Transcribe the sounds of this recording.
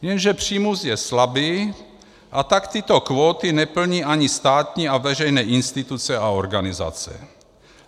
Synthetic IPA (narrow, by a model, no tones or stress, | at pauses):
jɛnʒɛpr̝̥iːmusjɛslabiː | ʔat̪akt̪ɪt̪okvoːt̪inɛpl̩ɲiːʔaɲist̪aːt̪ɲiːavɛrɛjnɛːʔɪnst̪ɪt̪ut͡sɛaoɾɡanɪza̰t͡sɛ̰